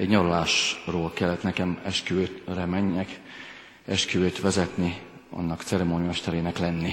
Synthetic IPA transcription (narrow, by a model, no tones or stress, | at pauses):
ɛɟɲɒɾlaːʃroːlkɛlːɛt̪nɛkɛmɛʃkyøːt̪rɛmɛɲːɛk | ɛʃkyøːt̪ʋɛzɛt̪ni | ɒ̰nːɒkt̪sɛɾɛmoːɲmɛʃt̪ɛɾeːnɛklɛnːi